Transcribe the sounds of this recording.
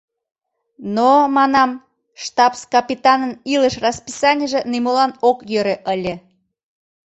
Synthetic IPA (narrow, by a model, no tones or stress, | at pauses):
nomɑnɑm | ʃt̪ɑpskɑpʲit̪ɑnəniləʃrɑspisɑnʲəʒĕnimolɑnokjøɾeʔəlʲĕ